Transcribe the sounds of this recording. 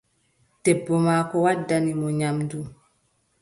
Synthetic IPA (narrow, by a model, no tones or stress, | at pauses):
tɛbːɔmaːkɔwadːanimɔɲamdu